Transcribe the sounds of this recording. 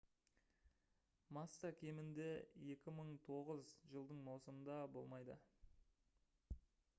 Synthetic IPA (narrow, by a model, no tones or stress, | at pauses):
mɑst̪ɑkʲʰe̞mɪnd̪e̞je̞kʲɪməɴt̪ʰo̞ʁəzʒəlˠd̪əɴmɑwsəmənd̪ɑbo̞lˠmɑjd̪ə̰